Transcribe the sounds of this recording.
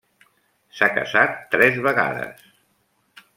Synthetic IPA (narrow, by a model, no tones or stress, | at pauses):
sakə̰zat̪ːɾɛzβəɣa̰ðə̰s